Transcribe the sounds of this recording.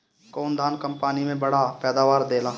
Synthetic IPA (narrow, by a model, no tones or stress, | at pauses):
kɔːnd̪ʱaːnkə̃mpaːnimẽbɐɽ̤apɛːd̪aːʋaːɾd̪eːlaː